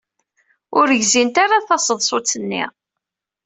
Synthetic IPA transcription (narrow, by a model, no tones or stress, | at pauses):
ʊɾəʝzint̪aɾaθɑsəðˤsˤot͡sːənːḭ